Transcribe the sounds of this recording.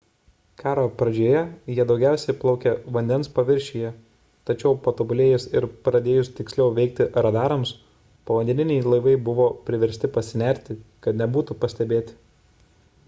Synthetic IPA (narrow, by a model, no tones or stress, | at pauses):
kɑːɾopɾɐd͡ʒʲoːjɛjiɛd̪ɒʊɡʲæˑʊsʲɛɪplˠɒʊkʲɛʋɐnʲd̪ʲɛnspɐʋʲɪɾʲʃʲijɛ | t̪ɐt͡ʃʲɛʊpɐt̪obʊlʲeːjʊsɪɾpɾɐd̪ʲeːjʊst̪ʲɪksʲlʲɛʊʋʲɛɪk̚t̪ʲɪɾɐd̪ɑːɾɐms | pɐʋɐnʲd̪ʲɛnʲɪnʲɛɪlˠɐɪʋɐɪbʊʋoːpʲɾʲɪʋʲɛɾʲsʲt̪ʲɪpɐsʲɪnʲæɾʲt̪ʲɪkɐt̪nʲɛbuːt̪ʊpɐsʲt̪ʲɛbʲeːt̪ʲɪ̥